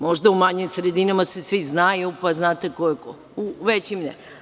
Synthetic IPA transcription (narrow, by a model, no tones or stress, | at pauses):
mo̞ʒd̪aumaɲimsɾed̪inamasesʋiznajupaznaːt̪ekoeko | uʋet͡ɕimnɛ̰